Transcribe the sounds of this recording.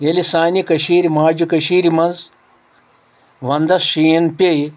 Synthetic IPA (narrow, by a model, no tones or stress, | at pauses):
elisaːnikɐʃiːɾʲimaːd͡ʒikɐʃiːɾimɐnz | ʋɐnd̪ɐsʃijɐnpʲej